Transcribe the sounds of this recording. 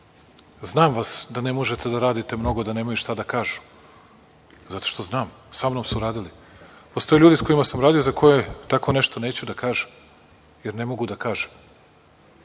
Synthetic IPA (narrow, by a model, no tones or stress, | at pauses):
znaːmʋasd̪anemo̞ʒet̪e̞d̪aɾaːd̪it̪e̞mno̞ɡo̞d̪ane̞ːmojuʃt̪ad̪akaːʒu̥ | zat̪o̞̥ʃt̪o̞znaːm | samnomsuɾaːd̪ili | post̪o̞jeʎuːd̪isko̞jimasamɾaːd̪ijozakʰo̞jet̪ako̞ne̞ʃt̪one̞ːt͡ɕud̪akaːʒem | jeɾne̞mo̞ɡud̪akaːʒem